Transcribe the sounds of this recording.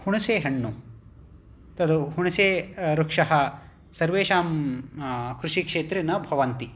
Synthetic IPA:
huɳuseːɦɐɳːu | t̪ɐd̪uɦuɳɐseːɾukʂɐɦɐ | sɐɾʋeːʃaːm | kɾuʂikʂeːt̪ɾinɐbʱɐʋɐnt̪i

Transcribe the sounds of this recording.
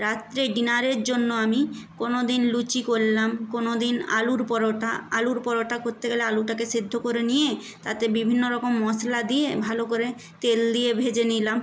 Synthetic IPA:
ɾat̪ːɾeɖinaɾeɾd͡ʑonːoamikonod̪inlut͡ɕikoɾlamkonod̪ina̰luɾpɔɾoʈaaluɾpɔɾoʈakoɾt̪eɡɛlealuʈakesid̪ʱːokoɾenije | t̪at̪ebibʱinːoɾɔkomːɔslad̪ijebʱalokoɾe | t̪eld̪ijebʱed͡ʑenilam

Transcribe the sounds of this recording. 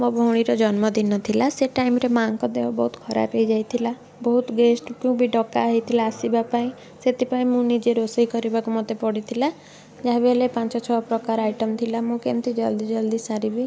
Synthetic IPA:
mobʱoɽ̃iɾɔd͡ʒɔnmɔd̪inːɔt̪ʰilaseʈajmɾemaŋkɔd̪eɦɔbɔɦut̪kʰɔɾa̰pejd͡ʒajt̪ʰila | bɔɦut̪ɡesʈkjũbʱiɖɔka̰ɦit̪ʰilaːsibapaĩ | set̪ipaĩmũnid͡ʒeɾosɔɦikɔɾibakumɔt̪epɔɽit̪ʰila | d͡ʒaɦebelepãnt͡ʃɔt͡ʃʰɔpɾɔkaɾajʈɔmt̪ʰilamũkemt̪ʰid͡ʒɔld̪id͡ʒɔld̪isaɾibi

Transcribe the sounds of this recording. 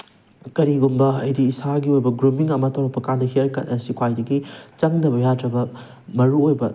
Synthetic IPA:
kɐɾiɡumbɐɐjdiːsaɡiojbɐɡɾumiŋɐmɐtʰɐwɾɐpːɐkandɐɦeɾkɐtɐsikʰwajdɐɡit͡ʃɐŋnɐbɐjadɾɐbɐ | mɐɾuojbɐ

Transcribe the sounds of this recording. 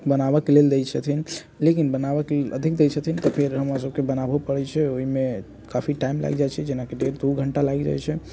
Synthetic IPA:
bənabəkeleld̪ejt͡ʃʰət̪ʰin | lekinbənaβəkelelə̰d̪ʱik̚ʰd̪et͡ʃʰət̪ʰint̪ɔpʰeɾɦəmɾasəbkebənabepəɽɛt͡ʃʰɛoɦime | kapʰiʈajimla̰ɡd͡ʒajt͡ʃʰɛd͡ʒenakeɖeɾd̪uɡʱəɳʈalaɡd͡ʒa̰jt͡ʃʰɛ

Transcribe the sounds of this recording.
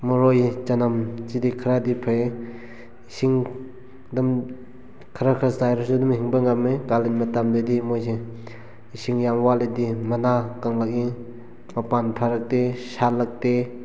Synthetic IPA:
mɔɾojit͡ʃanamt͡ʃidikʰɾadipʰae | isiŋ | dɯm | kʰaɾakʰɾasajɾɔsudumhiŋbaŋamekalinmatamdadimojse | isiŋjamwaledimanakaŋlak̚i | mapanpʰaɾak̚tesalak̚te

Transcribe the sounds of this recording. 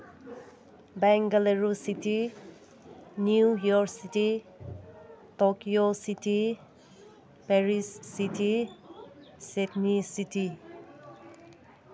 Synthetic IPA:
bɛŋɡaleɾusiti | njujɔɾksiti | tokiositi | pɛɹisːitʰi | seknisitʰi

